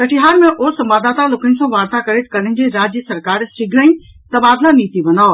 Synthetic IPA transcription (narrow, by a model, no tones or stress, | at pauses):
kɐʈʰiɦaːɾmẽʔoːsɐ̃mbaːd̪aːt̪aloːkənɪ̆sãʋaːɾt̪akɐɾet̪ʰkɐɽənɪ̆d͡ʑeɾaːd͡ʑəsɐɾkaːɾsɪɡɾaĩ | t̪ɐbaːd̪laniːt̪iʋɐnaːo